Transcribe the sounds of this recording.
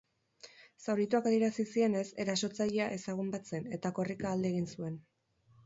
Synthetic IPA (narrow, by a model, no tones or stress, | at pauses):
sawɾit̪uakaðjeɾasisie̞ne̞se̞ɾaso̞t͡saʎeaʔe̞saɣ̞umbat͡se̞ne̞t̪ako̞rikaːld̪eɣinsue̞n